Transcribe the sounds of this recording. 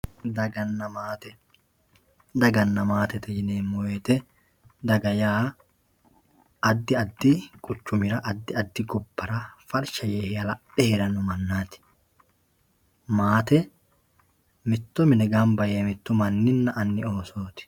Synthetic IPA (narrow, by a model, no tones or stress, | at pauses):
d̪ɐɡɐnːɐmaːt̪ɛ | d̪ɐɡɐnːɐmaːt̪ɛt̪ɛd͡ʒɪneːmːɔweːt̪ɛ | d̪ɐɡɐjaː | ɐd̪ːɪɐd̪ːɪkʼʊt͡ʃːʊmɪɾɐʔɐd̪ːɪɐd̪ːɪɡʊbːɐɾɐfɐlʃɐjeːhɪɐlɐpːɛhɛɾɐnʊmɐnːaːt̪ɪ̥ | maːt̪ɛ | mɪt̪ːʊmɪnɛɡaːmbɐjeːmɪt̪ːʊmɐnːɪnːɐʔɐnːɪoːsoːt̪ɪ̥